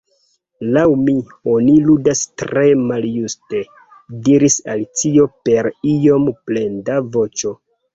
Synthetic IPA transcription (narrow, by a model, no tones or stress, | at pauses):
lawmi | oniludastɾe̞maljuste̞ | diɾisalit͡sio̞pe̞ɾio̞mplendavo̞t͡ʃo̞